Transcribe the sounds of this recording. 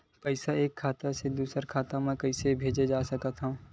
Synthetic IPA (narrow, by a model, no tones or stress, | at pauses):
pəɪsaeːkʰːaːt̪ased̪uːsəɾkʰaːt̪amẽkɐisebʱeːd͡ʒed͡ʒaːsɐkət̪ɦã